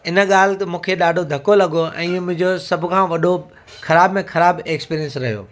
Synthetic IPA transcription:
ɪnə̆ɠaːl̤t̪ɪmũːkʰeɗaːɖʱod̪ʱɐkolɐɠoʔɛ̰̃ːmʊ̃ɦɪ̃ɲd͡ʑosɐbʱʊkʰãːʋɐɗʱo | xʰɐɾaːbmẽxʰɐɾaːbekspiːɾiə̃nsɾɐɦijo̰ː

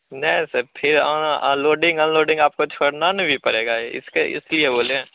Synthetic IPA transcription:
nɛsəpʰɪɾãã̰ːloːɖɪ̃ŋɡãːloːɖɪ̃ŋɡaːp̚kot͡ʃʰoːɽnanɐbʱipɐɾeːɡaeɪ̰skeɪ̰slieboːlẽ

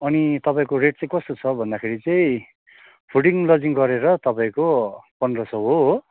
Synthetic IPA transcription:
ʌnit̪ʌpaĩkoɾeʈ̚t͡sʌĩkʌst̪ot͡sʰʌbʱʌnd̪akʰeɾit͡sʌĩ | pʰuʈiŋlʌd͡ziŋɡʌɾeɾʌt̪ʌpãĩkopʌndrʌsʌɦo

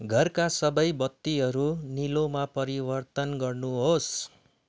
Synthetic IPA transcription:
ɡʱʌrkasʌbʌjbʌt̪ːiɦʌɾunilomapʌɾibʌrt̪ʌnɡʌrnuɦos

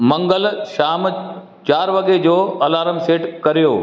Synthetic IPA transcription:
mɐ̃ŋɡəlʃaːm | t͡ɕaːɾʋɐɠed͡ʑoːɐlaːɾəmseːʈkɐɾijoː

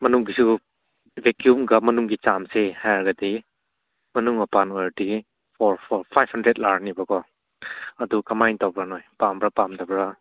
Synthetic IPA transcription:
mɐnuŋɡisu | vekjumɡamɐnuŋɡit͡ʃamsehajɾɡadi | mɐnuŋapanɔjadi | pʰɔɾpʰɔɾpʰajbhandɾet̚laɾnibakɔ | ɐdukamajntabɾanojpambɾapamdabɾa

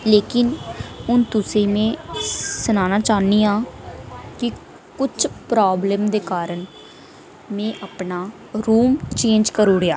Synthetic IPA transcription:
leːkɪnʊnt̪ʊsẽːmɛ̃ːsənaːnaːt͡ʃaːniːaː | kɪ | kʊt͡ʃʰpɾaːbleːmd̪eːkaːɾəɳ | mɛ̃ːʔapnaː | ɾuːmt͡ʃẽːnd͡ʒkəɾuːɽeaː

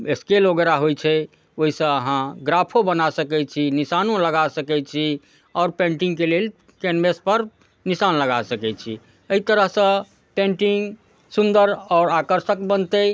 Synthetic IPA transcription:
eskeloɡeɾaɦojt͡ʃʰɛ | oɦisə̃əɦãɡɾapʰobənasəkɛt͡ʃʰinisanõləɡasəkɛt͡ʃʰi | ɔːɾpẽɳʈiŋkelel | kɛnmespəɾ | nisanləɡasəkɛt͡ʃʰi | əit̪əɾəɦsə̃ | pẽɳʈiŋɡ | sund̪əɾɔːɾakəɾsəkbənt̪ə

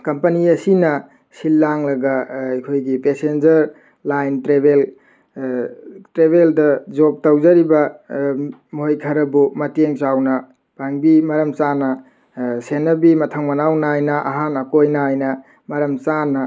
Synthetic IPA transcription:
kɐmpɐniɐsinɐ | silːaŋlɐɡɐːjkʰojɡipesend͡ʒɐɾ | lajntɾebel | tɾeβeldɐd͡ʒop̚tɐwd͡ʒɐɾibɐ | moɦojkʰɐɾɐbumɐteŋt͡ʃawnɐ | paŋbimɐɾɐmt͡ʃanɐ | senɐbimɐtʰɐŋmɐnawnajnɐʔɐ̰ɦanɐkojnajnɐ | mɐɾɐmt͡ʃanɐ

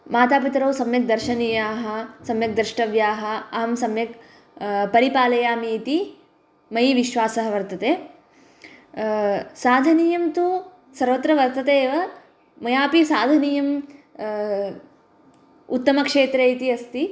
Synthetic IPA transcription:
maːt̪aːpit̪ɾɐwsɐmjɐk̚d̪ɐɾʃɐniːjaːɦɐsɐmjɐk̚d̪ɾiʂʈɐʋjaːɦɐ̆ɐɦɐmsɐmjɐk | pɐɾipaːlɐjaːmiːt̪i | mɐjiʋiʃʋaːsɐɦɐʋɐɾt̪ɐt̪eː | saːd̪ʱɐniːjɐmt̪u | sɐɾʋɐt̪ɾɐʋɐɾt̪ɐt̪eːʋɐ | mɐjaːpisaːd̪ʱɐniːjɐm | ut̪ːɐmɐkʂeːt̪ɾeit̪iɐst̪i

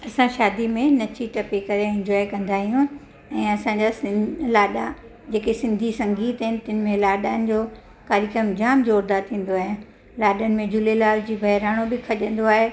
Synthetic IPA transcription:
ɐsãʃaːd̪imẽnɐt͡ɕʰiʈɐpekɐɾeɪ̃ɲd͡ʑɔːikɐ̃nd̪aːɦijũ | ɛ̃ːɐsãɲd͡ʑalaːɗa | d͡ʑeːkesɪ̃nd̪ʱisɐ̃ŋɡiːt̪ɐɦɪnɪ̆t̪ənɪ̆mẽlaːɗaːnɪ̆d͡ʑoː | kaːɾɪkɾəmd͡ʑaːmd͡ʑoːɾd̪at̪ʰĩːn̆d̪oaːɦijã | laːɗənɪ̆mẽd͡ʑʊlelaːld͡ʑiːbʱɐɦɪɾaːɽ̃obɪkʰɐʄə̃n̆d̪oaːɦe

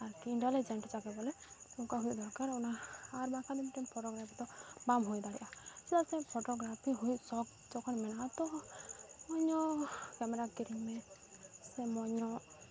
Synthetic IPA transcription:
aɾiɳʈelid͡ʒɛɳʈt͡ʃakɛbɔlɛɔkaɦujʔd̪ʱɔɾkaɾɔnaːɾbakʰad̪imiʈɛmpʰɔʈɔɡɾapʰit̪ɔbamɦojd̪aɽɛ̰ʔasɛd̪asɛpʰɔʈɔɡɾapʰiɦujsɔk | d͡ʒɔkʰɔnmɛnat̪ɔ | mɔɲɔkɛmɛɾakiɾimɛ | sɛmɔɲɔ

